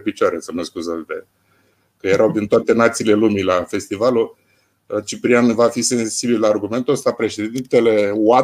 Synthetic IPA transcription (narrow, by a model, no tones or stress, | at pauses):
pit͡ʃoaɾesəməskuzat̪t̪e | kəjeɾʔawd̪int̪oat̪e̞nat̪siːle̞lumilafe̞st̪ivalu | t͡ʃipɾiamvafise̞nsibillaːrɡume̞nt̪uəst̪apɾe̞ʃe̞d̪d̪int̪e̞le̞wa